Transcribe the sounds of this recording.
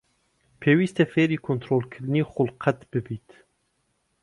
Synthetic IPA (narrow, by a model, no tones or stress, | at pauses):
pʰeːwiːst̪efeːɾiːkʰont̪ʰɾolkʰɨɾniːxʊlqʰɛt̪bɨbiːt̪